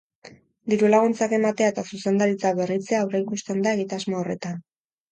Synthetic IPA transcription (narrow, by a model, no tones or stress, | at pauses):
d̪iɾulaɣunt͡sake̞mat̪eae̞t̪asuse̞nd̪aɾit͡saβe̞rit͡seaːwrejkust̪end̪ae̞ɣit̪azmoore̞t̪an